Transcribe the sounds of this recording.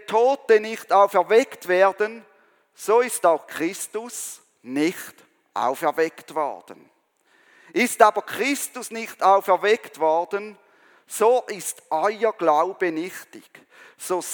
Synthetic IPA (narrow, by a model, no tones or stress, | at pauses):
tʰoːtənɪxtaʊfɛɐvɛktvɛːɐdən | soːɪstaʊxkʰʁ̥ɪstʊs | nɪçt | ʔa̰ʊfɛɐvɛktvɔ̰ʁd̥ən | ʔɪstaːbɐkʰʁ̥ɪstʊsnɪxtaʊfɛɐvɛktv̥ɔʁdən | soːʔɪstʔɔʏəɡ̥laʊbənɪxtɪ̰ɡ̥ | soː